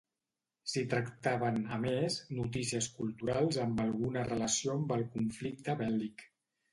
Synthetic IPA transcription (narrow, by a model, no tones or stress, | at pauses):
sit̪ɾəkt̪aβənəmeznut̪isiəskulˠt̪uɾalˠzəmbəlˠɣunərələsiombəlˠkuɱflik̚t̪əβɛlik